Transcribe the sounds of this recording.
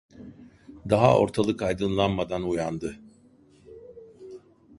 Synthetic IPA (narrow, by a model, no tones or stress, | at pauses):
d̪aɦa̰o̰ɾt̪ʰalˠɯkajd̪ɯnlˠanmad̪anujand̪ɯ